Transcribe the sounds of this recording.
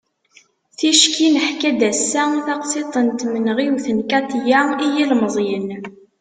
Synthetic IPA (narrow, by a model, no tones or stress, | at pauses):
θiʃkinəħkæd̪æsːæθɑqset̪ˤənt̪mənʁiwθənkæt̪jæijilməzˤjən